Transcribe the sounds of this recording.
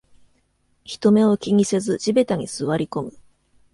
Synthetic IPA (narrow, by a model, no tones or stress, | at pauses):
çi̥t̪o̞me̞o̞kʲiŋ̟ise̞zɨʑibe̞t̪aɲ̟isɨβaɾʲiko̞mɯ̟